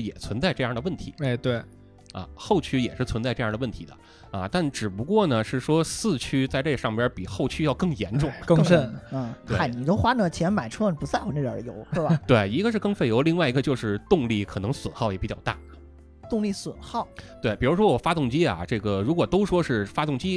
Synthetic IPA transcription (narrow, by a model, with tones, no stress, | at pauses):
jɛ̰˨˩t͡sʰwə˧˥nt͡sa˥˧ɪʈ͡ʂɤ˥˧jɑ˥˩ŋd̪ə˩˧wə˥˩nt̪ʰḭ˧˥˧t̪we˥˩ɪ | ɐ̰˥˧xo˥˩ʊt͡ɕʰy˥jɛ̰˨˩ʂɻ̩˥˩t͡sʰwə˧˥nt͡sa˥˧ɪʈ͡ʂɤ˥˧jɑ˥˩d̪ə˧wə˥˩nt̪ʰḭ˧˥d̪ə̰˧˩ | ɐ̰˧t̪a˥˩nʈ͡ʂɻ̩˨˩pu˧˥kwɔ˥˩nə˩ʂɻ̩˥˩ʂwɔ˥sɹ̩˥˩t͡ɕʰy˥t͡sa˥˧ɪʈ͡ʂe˥˧˩ʂɑ˥˩ŋpjə˞˥pi˨˩xo˥˩ʊt͡ɕʰy˥jɑ˥˧ʊkɤ˥˩ŋjɛ̰˧˥nʈ͡ʂʊ˥˩ŋkŋə˥˩˥t̪we˧˥˩a˧˩ni˨˩t̪o˥ʊxwa˥nə˥˩t͡ɕʰjɛ˧˥nma˨˩ɪʈ͡ʂʰɤ˥n˨˩pu˧˥t͡sa˥˩ɪxwne˥˩jə̰˞˧˥˩jo˧˥ʊʂ̩˥˩bt̪we˥˩ɪi˧˥ɡə˧ʂ̬ɻ̩˥˧kɤ˥˧ŋfe˥˩ɪjo˧˥ʊli˥˧ŋwa˥˩ɪi˧˥ɡə˧t͡ɕjo˥˧ʊʂɻ̩˥˧t̪ʊ˥˧ŋli˥˩kʰɤ˨˩nɤ˧˥ŋswə̰˨˩nxɑ˥˩ʊjɛ˨˩pi˧˥t͡ɕɑ˨˩ʊt̪a̰˥˩ | t̪ʊ˥˧ŋli˥˩swə˨˩nxɑ˥˩ʊt̪we˥˩ɪpi˨˩ɻu˧˥ʂwɔ˥wɔ˨˩fa˥t̪ʊ˥˩ŋt͡ɕi˥a̰˩ʈ͡ʂɤ˥˩ɡə˩ɻu˧˥kwɔ˨˩t̪o˥ʊʂwɔ˥ʂɻ̩˥˩fa˥t̪ʊ˥˩ŋt͡ɕi˥